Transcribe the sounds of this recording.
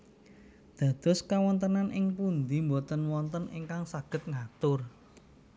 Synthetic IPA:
d̪̥ä̤d̪̥ɔ̤skawɔnt̪ənanʔɪŋpund̪imbot̪ənwɔnt̪ənʔḭŋkaŋsaɡ̥ə̤t̪̚ŋat̪ʊr

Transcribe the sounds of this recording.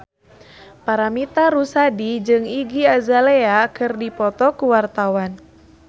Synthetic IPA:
paɾamit̪aɾusadid͡ʒɨŋiɡiazaleakɨrdipɔt̪ɔkuwart̪awan

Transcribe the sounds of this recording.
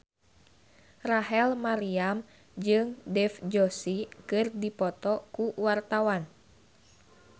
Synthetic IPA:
raɦɛlmaɾiam | d͡ʒɨŋdɛfd͡ʒɔsikɨrdipɔt̪ɔkuwart̪awan

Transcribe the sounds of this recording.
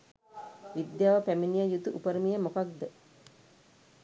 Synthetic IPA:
ʋid̪jaːʋəpæminijəjut̪uʔupəɾəmijəmokak̚d̪ə

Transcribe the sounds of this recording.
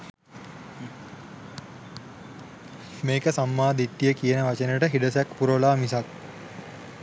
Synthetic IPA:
meːkəsamːaːd̪it̪ːijəkijənəʋat͡ʃənəʈəɦiɖəsækpuɾolaːmisak̚

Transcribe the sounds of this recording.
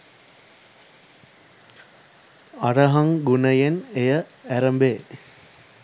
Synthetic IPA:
arəɦɐŋɡunəjenejəæɾəmbeː

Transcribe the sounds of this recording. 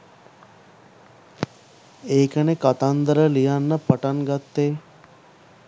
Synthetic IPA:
eːkənekat̪and̪əɾəlijanːəpəʈanɡat̪ːeː

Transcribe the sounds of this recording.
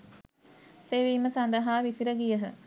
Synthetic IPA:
seːʋiːmːəsand̪əɦaːʋisiɾəɡijəɦə

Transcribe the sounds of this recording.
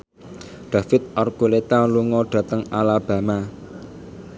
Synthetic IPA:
ɖ̪̥ä̤fɪt̪̚ʔɔrɡulet̪aluŋɔɖ̪̥ä̤t̪əŋalab̥a̤ma

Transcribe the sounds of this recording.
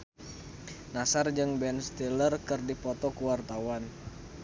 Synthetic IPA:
nasard͡ʒɨŋbɛnst̪ilərkɨrdipɔt̪ɔkuwart̪awan

